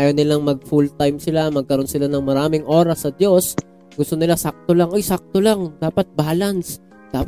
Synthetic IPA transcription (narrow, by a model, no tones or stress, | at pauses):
ajɐwnɪlaŋmɐɡ̚fult̪ajmsɪlamɐɡ̚kɐɾo̞nsɪlanɐŋmɐɾaːmɪŋʔo̞ːɾɐsːɐd̪jo̞s | ɡʊst̪o̞nɪlasak̚t̪olaŋʔo̞jsak̚t̪olaŋd̪aːpɐt̪̚baːlɐns | d̪̥aːp